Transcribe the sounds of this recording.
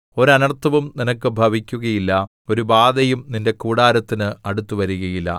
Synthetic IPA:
o̞ɾɐnɐrt̪ʰːɐʋumninɐkːɨbʱɐʋikʲːuɣɐjilːɐ | o̞ɾubaːd̪ɐjumninde̞kuːɽaːɾɐt̪ːinɨɐɽut̪ːuʋɐɾuɣɐjilːɐ̰

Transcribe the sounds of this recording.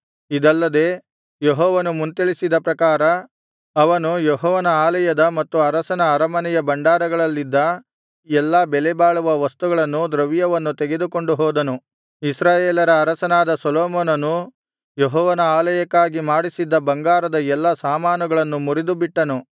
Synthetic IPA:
id̪ɐlːɐd̪e̞ː | jeɦɔːʋɐnumunt̪iɭisid̪ɐpɾɐkaːɾɐ | ɐʋɐnujɛɦɔːʋɐnɐaːlɐjɐd̪ɐmɐt̪ːuɐɾɐsɐnɐːɾɐmɐnɛjɐbɐɳɖaːɾɐɡɐɭɐlːid̪ːɐ | ɛlːabɛlɛbaːɭuʋɐʋɐst̪uɡɐɭɐnːud̪ɾɐʋijɐʋɐnːut̪eɡe̞d̪uko̞ɳɖuɦɔːd̪ɐnu | isɾaːjeːlɐɾɐːɾɐsɐnaːd̪ɐsɔloːmɔːnɐnu | jeɦɔːʋɐnɐaːlɐjɐkːaːɡimaːɽisid̪ːɐbɐŋɡaːɾɐd̪ɐɛlːɐsaːmaːnɐɡɐɭɐnːumuɾid̪ubiʈːɐnu

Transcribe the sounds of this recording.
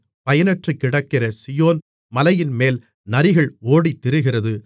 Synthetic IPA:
pɐjɐnɐʈrɯkːɪɽɐkːɪrɐsɪjoːn | mɐlɐjɪnmeːl | nɐɾɪɣɐɭoːɽit̪ːɪɾɯɣɪrɐðɯ

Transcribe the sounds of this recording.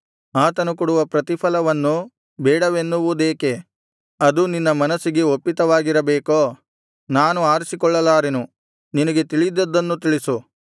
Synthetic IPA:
aːt̪ɐnukuɽuʋɐpɾɐt̪ipʰɐlɐʋɐnːu | bɛːɽɐʋenːuʋud̪eːke̞ | ɐd̪uninːɐmɐnɐsiɡeopːit̪ɐʋaːɡiɾɐbeːkoː | naːnuaːɾisikɔɭːɐlaːɾenu | ninɐɡe̞t̪iɭid̪ɐd̪ːɐnːut̪iɭisu

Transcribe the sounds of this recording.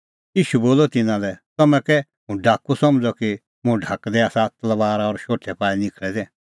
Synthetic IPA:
jiːʃuboːlɔt̪ɪnãlɛt̪ɐmɛ̃kɛ | ɦũɖʱaːkusɔmd͡zɔki | mũɖʱakd̪ɛaːsat̪ɐlʋaːɾɔɾʃoːʈʰɛpaːinɪkʰɭɛd̪ɛ̃ː

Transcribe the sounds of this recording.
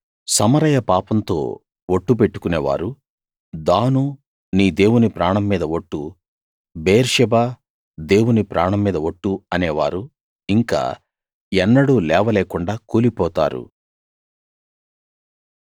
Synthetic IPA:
sɐmɐɾɐjɐpaːpɐnt̪o̞̰ː | woʈːup̬eʈːu̥kunḛːʋa̰ːɾu | d̪aːnu | niːd̪e̞ːwunipɾaːɳɐmːiːd̪ɐʋoʈːu | beːɾʂɛbaː | d̪e̞ːwunipɾaːɳɐmːiːd̪ɐʋoʈːuɐneːʋa̰ːɾu | iŋka̰ː | ɛnːɐɽulɛːʋɐleːkuɳɖaːkuːlipɔːt̪a̰ːɾṵ

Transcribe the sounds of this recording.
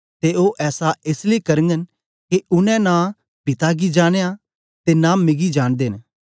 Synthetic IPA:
t̪eoːʔɛːsaeːsleikɐɾə̃ŋɡən | keʊnɛ̃nã | pɪt̪aɡid͡ʒaːɽ̃eːa | t̪enãːmɪɡid͡ʒaːɽ̃d̪eːn

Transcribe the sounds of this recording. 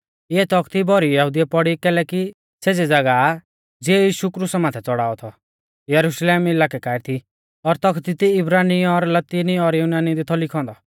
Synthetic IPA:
eɛt̪ɔkʰt̪ibɔɾijɐɦud̪ijɛpɔɽikɛːlɛki | seːd͡zed͡zɐɡa | d͡ziɛjiːʃukɾusɛmãːt̪ʰɛt͡sɔɽaːɔt̪ʰɔ | jɐɾuʃleːmɪlaːkɛkaːɪɾt̪ʰi | ɔɾt̪ɔkʰt̪it̪iɪbɾaːniɔɾlɐt̪iniɔɾjunaːnid̪it̪ʰɔlɪkʰɔ̃ːnd̪ɔ

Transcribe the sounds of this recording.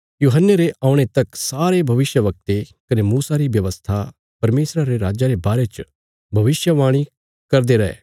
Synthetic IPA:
juːɦənːəɾeʔaːʊ̃ɽ̃et̪ɐksaːɾebʱɐʋɪsjəʋɐk̚t̪ekɐnemuːsaɾiʋjɐʋəst̪ʰa | pɐɾmeːsɾaɾeɾaːd͡ʒaɾebaːɾet͡ʃ | bʱɐʋɪsjəʋaːɽ̃i | kɐɾd̪eɾɐḛː

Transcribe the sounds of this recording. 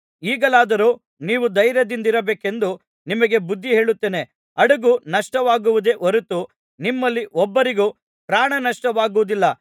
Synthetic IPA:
iːɡɐlaːd̪ɐɾuː | niːʋud̪ɐjɾjɐd̪ind̪iɾɐbeːke̞nd̪u | nimɐɡe̞bud̪ʱːiɦe̞ːɭut̪ːe̞ːne̞ | ɐɽuɡunɐʂʈɐʋaːɡuʋud̪e̞ʔɔɾut̪ːu | nimːɐlːiʔɔbːɐɾiɡu | pɾaːɳɐnɐʂʈɐʋaːɡuʋud̪ilːɐ

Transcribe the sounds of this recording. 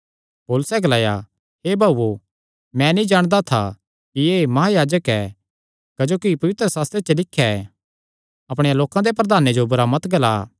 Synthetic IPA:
poːlʊsɛɡɐlaːja̰ | ɦeːbʱaːo | mɛ̃nĩd͡ʒaːɽ̃d̪at̪ʰa̰ | kiemɐɦajaːd͡ʒəkɛ | kɐd͡ʒoːkipɐʋɪt̪ɾəsaːst̪ɾet͡ʃəlɪkʰːjaɛ | ɐpɽ̃ejaloːkãd̪epɾɐd̪ʱaːned͡ʒobɐɾaːmət̪ɡɐla̰ː

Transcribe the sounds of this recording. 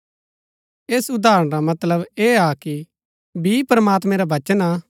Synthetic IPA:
eːsʊd̪aːɾəɽ̃ɾamɐt̪ləbeːaki | bʱipɾəmaːt̪mɛ̃ɾaʋɐt͡ʃəna

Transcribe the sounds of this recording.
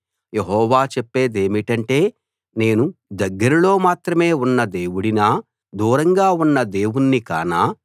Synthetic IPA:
je̞ɦɔːʋaːt͡ʃepːe̞ːd̪e̞ːmiʈɐɳʈe̞ː | ne̞ːnud̪ɐɡːɐɾiulo̞ːmaːt̪ɾɐme̞ːunːɐd̪e̞ːwuɽinaː | d̪uːɾɐŋɡaːunːɐd̪e̞ːwunːika̰ːnaː

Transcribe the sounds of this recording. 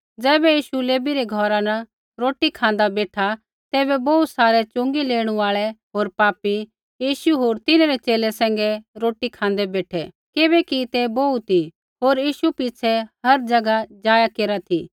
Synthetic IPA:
d͡zɛːbɛjiːʃuleːbiɾɛɡʱɔːɾanɐ | ɾoːʈikʰãːnd̪abeːʈʰa | t̪ɛːbɛboːut̪saːɾɛt͡ʃʊ̃ŋɡileːɽ̃ũaːɭɛɦoːɾpaːpi | jiːʃuɦoːɾt̪ɪnaɾɛt͡ʃeːlɛsɛ̃ːŋɡɛɾoːʈikʰãːnd̪ɛbeːʈʰɛ | kɪbɛkit̪ebout̪i | ɦoːɾjiːʃupɪt͡ʃʰɛɦɐɾd͡ʒɐɡad͡ʒaːjakeːɾat̪ʰiː

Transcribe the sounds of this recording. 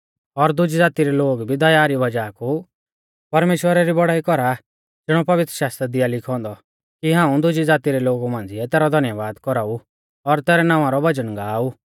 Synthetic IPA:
ɔɾd̪ʊd͡ʒid͡zaːt̪iɾɛloːɡbʱid̪ɐjaːɾibɐd͡ʒaːku | pɐɾmeːʃwəɾaɾibɔɽaːikɔɾa | d͡zɪɽ̃ɔ̃pɐʋɪt̪ɾəʃaːst̪ɾad̪ɪjalɪkʰɔ̃ːnd̪ɔ | kiɦãːũd̪ʊd͡ʒid͡zaːt̪iɾɛloːɡumãːnd͡zɪɛt̪ɛːɾɔd̪ʱɐnjəʋaːd̪kɔɾaːu | ɔɾt̪ɛːɾɛnãːʋ̃ãɾɔbɐd͡ʒənɡaːu

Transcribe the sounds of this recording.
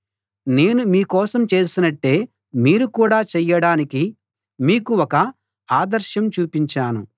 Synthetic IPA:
ne̞ːnumiːkɔːsɐmt͡ʃe̞ːsinɐʈːe̞ː | miːɾukuːɽaːt͡ʃɛjːɐɽaːniki | miːkuɔkɐ | aːd̪ɐɾʃɐmt͡ʃuːpiɲt͡ʃaːnṵ

